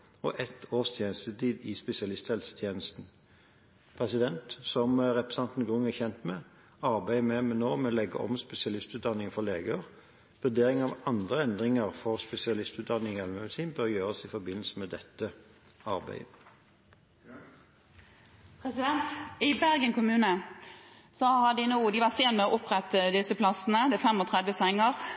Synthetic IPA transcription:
ɔʔɛt̪ʰoːst̪ʰjeːnəst̪ət̪iːd̪iːspɛsɪɑlɪst̪hɛlsə̥t̪ʰjeːnəst̪n̩ | pʰʁɛsɪd̪ɛnt̪sɔmʁɛpʁɛsɑnt̪n̩ɡʁʉŋɛçɛnt̪mɛː | ɑʁbæɪmɛmɛnoːmɛlɛɡə̰ʔɔ̰mspɛsɪɑlɪst̪ʉːt̪̚d̪ɑnɪŋfɔʁleːɡəʁ | ʋʉd̪eːʁɪŋɑʋɑnd̪ʁəɛnd̪ʁɪŋəʁfɔʁspɛsɪɑlɪst̪ʉːt̪̚d̪ɑnːɪŋɛlmɛd̪siːnbœʁjøːʁəsɪfɔbɪnːəlsəmɛd̪ɛt̪ːə | ɑʁbæ̰ɪ | pʰʁɛsɪd̪ɛnt̪ɪbæʁɡənkʊmʉːnə | sɔhɑd̪ɪnuːd̪ɪʋɑseːnmɛɔʔʊpʁɛt̪ːəd̪ɪsəpʰlɑsn̩əd̪ɛfɛmɔt̪ʰʁɛd̪ʋəsɛŋəʁ

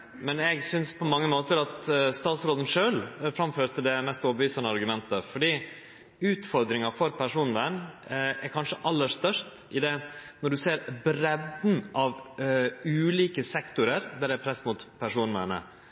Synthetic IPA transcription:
mɛnɛɡsʏnspʰɔmɑŋːəmoːt̪əɾɑt̪st̪ɑːt̪sɾoːd̪ənʂøːlfɾɑmføːɾt̪ʰəd̪ɛmɛst̪oːbəʋiːsɑnəɑɾɡʉmɛnt̪əfɔɖiː | ʉːt̪fɔɾd̪ɾɪŋɑfɔɾpʰæʂuːnʋæɳɛɾkʰɑnʂəʔɑlːəʂt̪œʂt | ʔɪd̪ɛnɔɖʉseːɾbɾɛd̪n̩ʔɑʋ | ʉːliːkəsɛkt̪ʊɾəɾd̪æɖɛæpʰɾɛsmʊt̪pʰæʂuːnʋæ̰ɳə̰

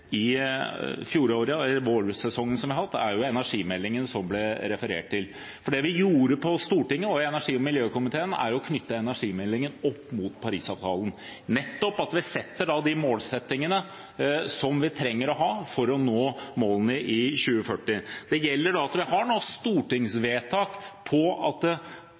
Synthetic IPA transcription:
ɪ | fjuːɾəoːɾɪɑɛlːəɾʋoːɾsɛsɔŋːənsɔmʋɪɑhɑt̪ːæ̰ɾjʊɛnæʂiːmɛlːɪŋənsɔmblɛɾɛfəɾḛːʈ̚t̪ɪl | fɔɖɛʋɪjuːɾəpʰɔst̪uːʈɪŋːəɔɛnæʂiːɔmɪljøːkʊmɪt̪ʰeːənæ̰ɾɔkʰnʏt̪ːəɛnæʂiːmɛlːɪŋənɔpːmut̪pʰɑɾḭːsɑːʋt̪ʰɑːlən̩nɛt̪ːɔpɑt̪ʋɪsɛt̪ːəɖɑd̪ɪmoːlsɛt̪ːɪŋənə | sɔmʋɪt̪ʰɾɛŋːəɾɔɦɑːfɔɾɔnoːmoːlənəʔɪçʉːəfœʈːɪd̪̥ɛjɛlːəɖɑɑt̪ʋɪhɑɳɔst̪uːʈɪŋsʋeːt̪ʰɑːkpʰɔɑt̪̚

